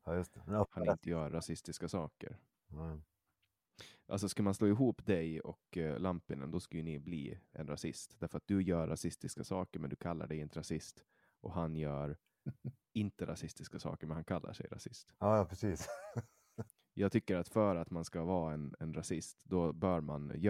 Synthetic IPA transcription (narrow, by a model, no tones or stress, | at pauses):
jɵst̪ɛhanɪnt̪əjœːɾːasɪst̪ɪskasɑːkə̰ɾ | ʔalsɔskalmansloːɪɦuːpd̪ɛjɔ̰klampːɪnə̰nd̪ɔskajɵnɪbliːʔɛ̰nɾasɪ̰st̪d̪æɾfœɾat̪̚d̪ɵjœːɾːasɪst̪ɪskasɑːkəɾmɛnd̪ɵkʰalːa̰ɖɛjɪnt̪əɾasɪst̪ | ʔɔɦanjœːɾ | ɪnt̪əɾʔa̰sɪst̪ɪskasɑ̰ːkəɾmɛnhankʰalːa̰ʂɛ̰jɾa̰sɪst̪jɑːjpʰɾɛsiːs | jʔɑːɡ̚t̪ʰʏkːəɾat̪fœɾat̪manskavɑːɛnɛnɾasɪst̪d̪ɔbœːɾma̰nj